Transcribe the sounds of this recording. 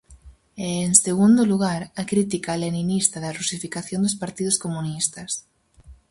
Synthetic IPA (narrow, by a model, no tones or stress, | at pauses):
ɛːŋseɣund̪ʊluɣ̞aɾɐkɾit̪̬ikaleninist̪ɐðɐrusifikaθjond̪ʊspaɾt̪iðʊskomunist̪ɐs